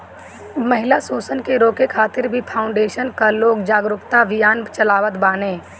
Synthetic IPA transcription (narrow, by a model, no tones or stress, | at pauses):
məɦɪlasuːsənkeɾoːkekʰaːt̪ɪɾbʱipʰaːʊ̃ɳɖeːʃənkaloːɡd͡ʒaːɡɾʊkt̪aʋɪjaːnt͡ʃəlaːʋət̪baːnẽː